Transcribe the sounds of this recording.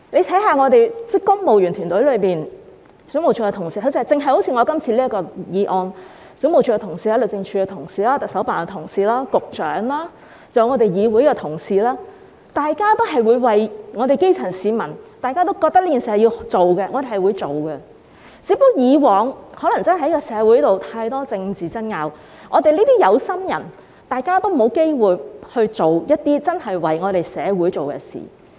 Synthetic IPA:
le˨˧jt͡sʰɛ˨˥jɦaː˧ŋɔː˨˧t̪e˨jt͡sɪ˥kːʊ˥ŋmo˨wjyː˨˩nt̪ʰyː˨˩nt̪ɵ˨˥jlɵ˨˧ɥmiː˨n | sy˨˥m˨˩wt͡ʃʰy˧kɛ˧t̪ʰŋsiː˨˧tʰɵ˨˧wt͡sːt͡sɪ˨˧ŋɦɐ˨jho˨˥wt͡sʰi˧ŋɔː˨˧kɐ˥mt͡sʰiː˧liː˥ɐ˥kːɔː˧jiː˨˧ʔɔː˧n | sy˨˥mo˨wt͡ʃʰyː˨˧kɛ˧tʰʊ˨˩ŋsiː˨˧aː˥lɵ˨˩t͡sɪ˧ŋt͡ʃʰyː˨˧kɛː˧t̪ʰʊ˨˩ŋsiː˨˧laː˥t̪ɐ˨ksɐ˨˥wpaː˨˩nkɛ˧t̪ʰʊ˨˩ŋsiː˨˩laː˥kʊ˨k̚t͡ʃœː˨˥ŋlaː˥ | t͡sɐ˨˧wŋɔː˨˧t̪e˨jjiː˨˧wu˨˥jkɛ˧t̪ʰʊ˨˩ŋsiː˨˧laː˥ | t̪aː˨jkaː˥t̪o˥wɦɐ˨˩jwuː˨˧jwɐ˨jŋɔː˨˧ɾe˨jke˥jt͡sʰɐ˨˩nsiː˨mɐ˨˩nt̪aː˨jkaː˥t̪o˥wkɔ˧k̪̚ɐ˥liː˥t̪iː˨nsi˨˩hɐ˨wji˧wt͡ʃo˨wkɛ˧ŋɔː˨˧e˨jhjwuː˨˧jt͡so˨wɡɛ˧ | t͡siː˨˥pʊ˥k̚jiː˨˧wɔː˨˧ŋhɔː˨˥lɐ˨˩ŋt͡sɐ˥n˨˧˥jkɔ˧sɛː˨˧wu˨˥jt̪o˨wt̪ʰaː˧jt̪ɔː˥t͡sɪ˧ŋt͡siː˨˩t͡sɐ˥nŋaː˨˧w | ŋɔː˨˧t̪e˨jliː˥t̪iː˥jɐ˨˧wsɐ˥mjɐ̰˨˩n | t̪aː˨jkaː˥t̪o˥wmo˨˧wke˥jwuː˨jhɵ˧ɥt͡ʃo˨wjɐ˥t̚t̪iː˥t͡sɐ˥nhɐ˨jwɐ˨jŋɔː˨˧ɾe˨jsɛː˨˧wu˨˥jt͡so˨wkɛ̰˧sḭː˨˩

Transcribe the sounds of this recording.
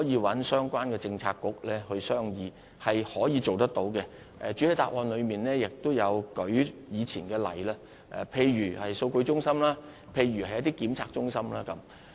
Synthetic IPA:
jiː˨˧wɐ˨˥nsœː˥ŋkʷaː˥nkɛː˧t͡sɪ˧ŋt͡sʰaː˧kːʊ˥k̚lɛː˥hɵ˧ɥsœː˥ŋjiː˧ | hɐ˨jhɔː˨˥jiː˨˧t͡so˨wt̪ɐ˥k̚t̪o˨˥wkɛ˧ | ʔɛ˨t͡ʃy˨˥he˨˧jt̪aː˨k̚ʔɔː˧nlɵ˨˧miː˨nlɛː˥jɪ˨k̚t̪ʊ˥wjɐ˨˧wkɵ˨˥ɥjiː˨˧t͡sʰiː˨˩nkɛː˧lɐ̰˨˩jlaː˥ | ʔɛ̰˨pʰe˧jɥyː˨˩hɐ˨jso˧wkɵ˧ɥt͡ʃʊ˥ŋsɐ˥mlaː˥ | pʰe˧jɥyː˨˩hɐ˨˩jɐ˦˥t̪i˥kiː˨˥mt͡sʰaː˧k̚t͡ʃʊ˥ŋsɐ˥mlaː˥kɐ˨˥m

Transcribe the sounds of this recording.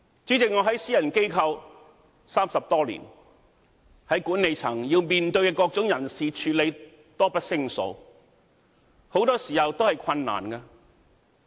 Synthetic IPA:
t͡siː˨˥t͡sɪ˨ŋɔː˨˧ɦɐ˨˥jsiː˥jɐ˨˩nke˥jkʰɐ˧w | saː˥msɐ˨p̚t̪ɔː˥lḭː˨˩n | hɐ˨˥jkuː˨˥nːe˨˧jt͡sʰɐ˨˩ŋjiː˧wmiː˨nt̪ɵ˧ɥkɛː˧kɔː˧k̚t͡sʊ˨˥ŋjɐ˨˩nsiː˨t͡ʃʰyː˨t̚le˨˧j | t̪ɔː˥pɐ˥t̚sɪ˥ŋso̰˨˧˥w | ho˨˥wt̪ɔː˥siː˨˩hɐ˨wt̪o˥hɐ˨jkʷʰɐ˧nːa̰ː˨˩nkaː˧

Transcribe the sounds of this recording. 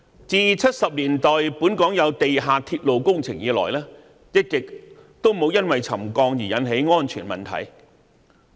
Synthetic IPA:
t͡siː˨˧t͡sʰɐ˥t̚sɐ˨p̚liː˨˩nt̪ɔː˨jpuː˨˥nkɔː˨˥ŋjɐ˨˧wt̪e˨jɦaː˨˧t̪ʰiː˧t̚lo˨˧wkʊ˥ŋt͡sʰɪ̰˨˩ŋjiː˨˧˥lɔ̰ː˨˩jlɛː˥ | jɪ˥t̚kɪ˨k̚ | t̪o˥wmo˨˧wjɐ˥nwɐ˨jt͡sʰɐ˨˩mkɔː˧ŋjiː˨˩jɐ˨˥nɦe˨˥jŋɔː˥nt͡ʃʰy̰ː˨˩nmɐ̰˨˩nt̪ʰɐ̰˨˩j

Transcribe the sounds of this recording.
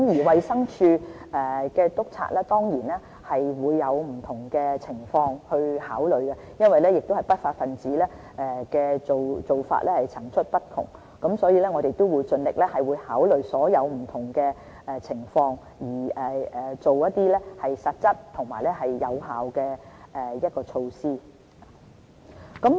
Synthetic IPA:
kmjiː˨˩wɐ˨jsɐ˥ŋt͡ʃʰyː˧ʔɛ˨˩kɛː˧t̪ʊ˥k̚t͡sʰa̰ː˧˥laː˥t̪ɔː˥ŋjiː˨˩nɛ˥ | hɐ˨jwuː˨˧jːɐ˨˧wm̩˨˩t̪ʰʊ˨˩ŋkɛː˧t͡sʰɪ˨˩ŋfɔː˧ŋhɵ˧ɥhaː˨˥wlɵ˨˧ɥkɛ˧jɐ˥nwɐ˨jlɛː˥jɪ˨k̚t̪o˥whɐ˨jpɐ˥t̚faː˧t̚fɐ˨nt͡siː˨˥lɛː˥ | ɛ˨kɛː˧t͡so˨wt͡so˨wfa̰ː˧t̚lɛ˥hɐ˨jt͡sʰɐ˨˩ŋt͡ʃʰɵ˥t̚pɐ˥t̚kʰʊ̰˨˩ŋ | kɐ˨˥msɔː˨˥jiː˧lɛː˥ŋɔː˨˧de˨t̪ːo˥wu˨˧jt͡sɵ˧nlɪ˨k̚lɛː˥hɐ˨jwuː˨˧jhaː˨˥wlɵ˨ɥsɔː˨˥jɐ˨˧wm̩˨˩t̪ʰʊ˨˩ŋkɛː˧ | ɛ˨˧t͡sʰɪ˨˩ŋfɔː˧ŋ | jiː˨˩ɛ˨ɛ˨˩t͡so˨wjɐ˥t̚t̪iː˥lɛː˥hɐ˨jsɐ˨t̚t͡sɐ˥t̚t̪ʰʊ˨˩ŋmaː˨jlɛ˥ɦɐ˨jːɐ˨˧wɦaː˨wkɛː˧ʔɛ˨jɐ˥t̚kɔː˧t͡ʃʰo˧wsiː˥˨ | kɐ˨˥m

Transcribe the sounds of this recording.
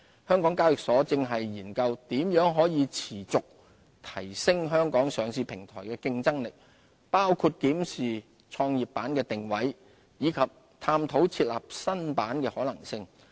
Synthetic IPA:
hœː˥ŋkɔː˨˥ŋkaː˥wjɪ˨k̚sɔː˨˥t͡sɪ˧ŋɦɐ˨jːiː˨˩nkɐ˧wt̪iː˨˥mjœː˨˥ŋɦɔː˨˥jiː˨˧t͡sʰiː˨˩t͡sʊ˨k̚ | t̪ʰɐ˨˩jsɪ˥ŋɦœː˥ŋkɔː˨˥ŋsœː˨˩ŋsiː˧pʰɪ˨˩ŋt̪ʰɔː˨˩jkɛː˧kɪ˧ŋt͡sɐ˥ŋlɪ˨k̚ | paː˥wkʰuː˧t̚kiː˨˥msiː˨ | t͡sʰɔː˧ŋjiː˨˩p̚pːaː˨˥nkɛː˧t̪ɪ˨ŋwɐ˨˥j | jiː˨˧kʰɐ˨p̚ | t̪ʰaː˧mt̪ʰo˨˥wt͡sʰiː˧t̚la̰ː˨p̚sɐ˥npaː˨˥nkɛː˧hɔː˨˥lɐ˨˩ŋsɪ˧ŋ

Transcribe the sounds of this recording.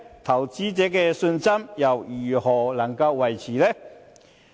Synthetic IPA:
t̪ʰɐ˨˩wt͡siː˥t͡sɛː˨˥kɛː˧sɵ˧nsɐ˥mjɐ˨˩wjyː˨˩hɔː˨˩lɐ˨˩ŋkɐ˧wːɐ˨jt͡sʰiː˨˩lɛ˥

